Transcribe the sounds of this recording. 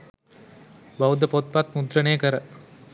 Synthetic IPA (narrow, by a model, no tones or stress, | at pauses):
bɐwud̪ɐpot̪̚pat̪mud̪ɾɐneːkəɾɐ